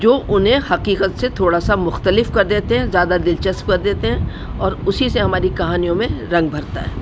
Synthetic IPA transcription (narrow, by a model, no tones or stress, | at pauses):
d͡ʒoːʔʊnɦẽhɐqiːqət̪set̪ʰoːɽasamʊxt̪əlɪfkɐɾd̪eːt̪eɦɛ̃zjaːd̪ad̪ɪlt͡ʃəspkɐɾd̪eːt̪eɦɛ̃ | ɔːɾʊsiseɦɐmaːɾikɐɦaːnijõmẽɾɐ̃ŋɡ̚bʱɐɾt̪a̰ɦɛ̰ː